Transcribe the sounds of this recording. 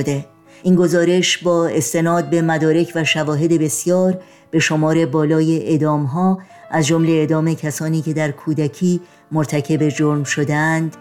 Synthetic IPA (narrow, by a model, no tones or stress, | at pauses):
d̪e | ʔiːŋɡo̞zɒːɾe̞ʃbɒːe̞st̪e̞nɒːd̪̚be̞mæd̪ɒːɾe̞cʰvæʃævɒːɦe̞d̪e̞be̞sjɒːɾ | b̥e̞ʃo̞mɒːɾe̞bɒːlɒːjeʔed̪ɒːmɦɒː | ʔæzd͡ʒo̞mle̞ːd̪ɒːme̞cʰæsɒːniːcʰe̞d̪æɾkʰuːd̪æcʰiː | moɾt̪ʰæcʰe̞be̞d͡ʒoɾmʃo̞d̪eænd̪̥